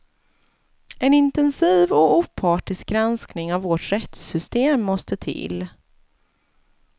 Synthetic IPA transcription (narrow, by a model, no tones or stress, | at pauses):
ɛnɪnt̪ɛnsiːvɔuːpʰɑːʈɪsk̚ɡɾansknɪŋavːɔʈɾɛt̪sʏst̪eːmːɔst̪ət̪ʰɪ̰lː